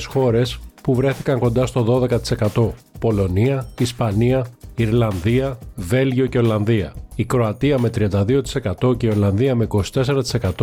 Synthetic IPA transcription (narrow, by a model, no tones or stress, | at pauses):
sxo̞ɾe̞spuvɾe̞θikɐŋko̞nd̪ɐst̪o̞ðo̞ðe̞kɐt̪i̥se̞kɐt̪o̞po̞lo̞niɐispɐniɐiɾlɐnðiɐve̞lʝio̞ce̞olɐnðiɐ̰ikɾo̞ɐt̪iɐme̞t̪ɾiɐnd̪ɐðio̞t̪i̥se̞kɐt̪o̞ce̞io̞lɐnðiɐmeiko̞si̥t̪e̞se̞ɾɐt̪i̥se̞kɐt̪o